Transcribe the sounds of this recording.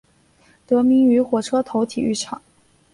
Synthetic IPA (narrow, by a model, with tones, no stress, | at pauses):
t̪ɤ˧˥mi˧˥ŋy˧˥xwɔ˨˩ʈ͡ʂʰɤ˥t̪ʰo˧˥ʊt̪ʰi˨˩y˥˩ʈ͡ʂʰɑ˨˩˦